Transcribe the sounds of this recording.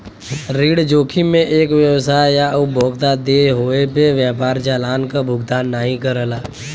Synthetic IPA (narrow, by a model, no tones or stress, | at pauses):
ɾiːɽd͡ʒoːkʰimẽʔeːkʋjəwsaːjjaʊbʱoːɡt̪ad̪eɦoːepeʋjaːpaːɾd͡ʒaːlaːnkabʱʊɡd̪aːnːaɦĩkəɾəlaː